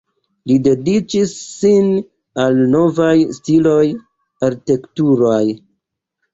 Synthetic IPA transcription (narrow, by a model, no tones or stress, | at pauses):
lide̞dit͡ʃisːin | alno̞vajstilo̞j | aɾtektuɾoj